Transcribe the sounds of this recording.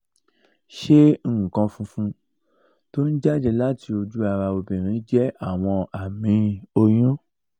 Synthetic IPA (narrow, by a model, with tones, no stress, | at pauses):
ʃe˦˨kã˧fũ˧fũ˧ | to˦n̩˦d͡ʒa˦d͡ʒɛ˧la˦ti˧o˧d͡ʒu˦a˧ɾa˧o˧bĩ˨ɾ̃ĩ˨˦d͡ʒɛ˦a˦˨w̃ɔ̃˧a˨mĩ˨˦o˧j̃ũ˦